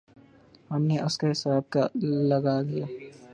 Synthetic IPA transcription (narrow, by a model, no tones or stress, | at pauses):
hɐmneʔʊskaɦɪsaːb̚kalɐɡaɡijaː